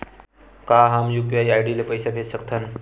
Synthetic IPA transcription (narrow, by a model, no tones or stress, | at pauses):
kaɦamjuɡjaiajɖilepəjsabʰʱet̪səkt̪ʰan